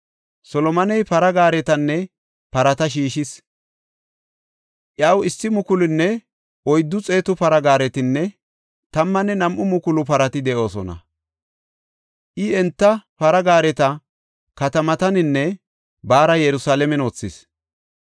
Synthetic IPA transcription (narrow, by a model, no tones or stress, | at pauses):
sɔlɔmɐnɛjpɐɾɐɡaːɾɛt̪ɐnːɛ | pɐɾɐt̪ɐʃ̬iːʃɪs | ʔjɐwɪsːɪmʊkʊlɪnːɛ | ʔɔjd̪ːʊt͡sʼe̞ːt̪ʊpɐɾɐɡaːɾɛt̪ɪnːɛ | t̪ɐmːɐnːɛnɐmʔʊmʊkʊlʊpɐɾɐt̪ɪd̪ɛʔo̞ːsɔnɐ̰ | ʔɪɛnt̪ːɐpɐɾɐɡaːɾɛt̪ɐ | kɐt̪ɐmɐt̪ɐnɪnːɛ | baːɾɐjɛɾʊsaːlɛmɛnoːt͡sːɪs